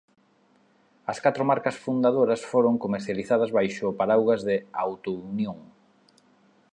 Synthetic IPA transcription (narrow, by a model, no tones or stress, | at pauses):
ɐskat̪ɾomaɾkɐsfund̪aðoɾɐsfoɾoŋkomeɾθjaliθað̞ɐzβajʃʊpaɾawɣɐzðɪawt̪onjoŋ